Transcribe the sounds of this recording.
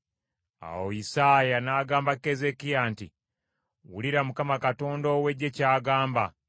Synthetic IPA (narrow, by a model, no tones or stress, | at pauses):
a̰woisajanaːɡaːmbakːe̞ze̞kiaːntḭ | wṵliɾamukamakato̞ːndoːwe̞ɟːe̞caːɡaːmba